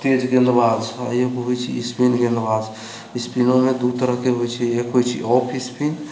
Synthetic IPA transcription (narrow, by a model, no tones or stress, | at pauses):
t̪ed͡ʒɡẽnd̪baːzajekɦojt͡ʃʰḭːspinɡẽnd̪baːz | ispinomẽd̪ut̪əɾəɦkeɦojt͡ʃʰiekɦojt͡ʃʰḭʔɔpʰispin